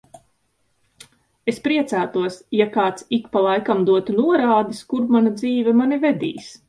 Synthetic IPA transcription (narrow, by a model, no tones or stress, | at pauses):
espɾiɛt̪sæːt̪uɔsjakaːt̪sikpalˠajkamd̪uɔt̪unuɔɾaːd̪iskuɾmanad̪ziːvɛmanivɛd̪ḭːs